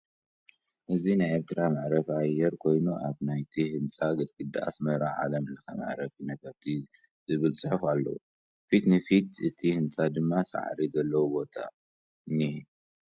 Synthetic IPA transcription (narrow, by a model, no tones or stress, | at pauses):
ʔɨzinajeɾt̪ʰɨɾamaʕɾɐfiajːɛɾkʰo̞jnuʔaβnajt̪ʰihɨnt͡sʼaɡɨd̪̚kʰʼɨd̪aʔa̰smɐɾa̰ʕa̰lɐmɨlːɐkʰa̰ma̰ʕɾɐfinɐfɐt̪ʰi | zɨβɨlt͡sʼɨħɐfalːɐ̰wu | fit̪nɨfit̪ɨt̪ʰihɨnt͡sʼad̪ɨmːasa̰ʕ̰ɾizɐlːɐwubo̞t̪ʰa̰ | ni